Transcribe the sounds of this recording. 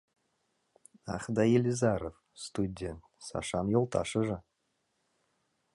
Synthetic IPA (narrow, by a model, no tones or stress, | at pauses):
ɑχd̪ɑjelʲizɑɾof | st̪udʲent̪sɑ̰ʃɑnjolˠt̪ʰɑ̰ʃəʒɤ